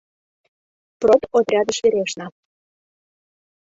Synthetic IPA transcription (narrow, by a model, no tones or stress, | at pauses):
prot̪ot̪rʲɑd̪ə̆ʃvʲeɾʲeʃnɑ